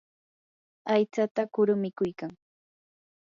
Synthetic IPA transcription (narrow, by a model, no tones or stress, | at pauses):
ajt͡sat̪akʊɾʊmɪkʊjkaŋ